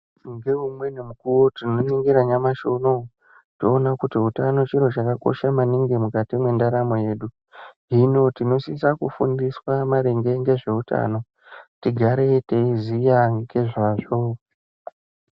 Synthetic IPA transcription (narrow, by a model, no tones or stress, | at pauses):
ŋɡe̞ɦumwe̞nemukuwo̞tino̞niŋɡiɾaɲamaʃo̞no̞ | toːnakutiɦutano̞t͡ʃiɾo̞t͡ʃakako̞̰ʃamaniŋɡemukatimwe̞ndaɾamo̞je̞ːɗu | ɦino̞tino̞sisakṵfṵndiswamaɾeŋɡe̞ŋɡe̞ʐe̞uta̰no̞ | tiɡʱaɾeteizijaɡe̞ʐaːʐo̞